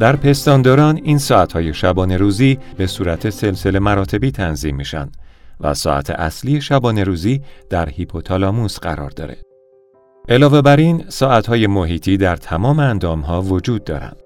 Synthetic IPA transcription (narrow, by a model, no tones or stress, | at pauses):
d̪̥æɾpʰe̞st̪ɒːnd̪ɒːɾɒːniːnsɒːæt̪hɒːje̞ʃæbɒːne̞ɾuːziː | be̞suːɾæt̪ʰe̞se̞lse̞le̞mæɾɒːt̪ʰe̞biːt̪ʰænziːmːiːʃæ̰nd̪̥væ̰sɒ̰ːʔæ̰t̪ʰe̞̰ʔæ̰slije̞ʃæbɒːne̞ɾuːziːd̪̥æɾhipʰot̪ʰɒlɒːmusɢæ̰ɾɒ̰ːɾd̪ɒ̰ːɾe̞̰ | ʔelɒːve̞bæɾiːnsɒːæt̪hɒːje̞moɦiːt̪ʰiːd̪æɾt̪ʰæmɒːmeænd̪ɒːmɦɒːvo̞d͡ʒuːd̪̚ːɒ̰ːɾæ̰nd̪̥